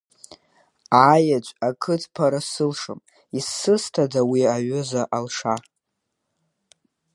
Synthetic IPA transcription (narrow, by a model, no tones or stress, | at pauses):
ajat͡ʃʷʼakʰɨt͡sʰʼpʰaɾasɨlʂɨm | isːɨstʰadawiaɥʊzaʔalʂa